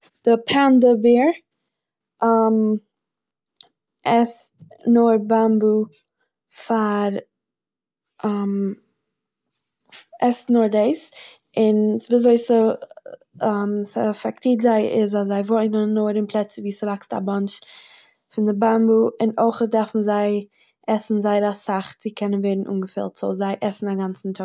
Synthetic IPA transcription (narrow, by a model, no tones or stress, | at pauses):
d̥ɪpʰandəbiːɾ | am | ʔɛst | nʊɾbambu | faɾ | am | ɛstnʊɾdeɪs | ɪnsvuːzoɪsə | amsəfaktiːdzaɪɪzazzaɪvoʏnənoɾɪnplˠɛt͡səviːsɪvaksta̰bɔnt͡ʃ | fɪndɪbambuʔɪnoɪχdaɾfn̩zaɪ | ɛsn̩zaɪɾasaχt͡sɪkʰɛnənvɛɪdn̩ʔṵːnɡəfɪ̰lˠtz̥ɔzaɪʔɛsn̩aɡant͡sn̩tʰɔk